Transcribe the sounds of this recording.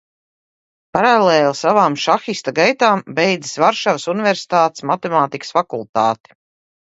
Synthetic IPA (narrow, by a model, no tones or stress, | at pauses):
paɾaleːlˠsavaːmʃaxist̪aɡajt̪aːmbejd̪zi̥svaɾʃavsuniveɾsi̥t̪aːt̪smat̪ɛmaːt̪ikə̥sfakulˠt̪aːt̪i̥